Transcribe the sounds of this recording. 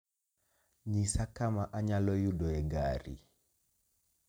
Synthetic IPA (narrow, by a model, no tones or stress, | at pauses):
ɲisakamaʔaɲalɔjuɗɔɛŋɡaɾḭ